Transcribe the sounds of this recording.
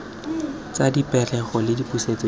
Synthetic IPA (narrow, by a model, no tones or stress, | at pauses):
t͡sadipʼɛrɛχɔlɪdipʼuset͡sɔ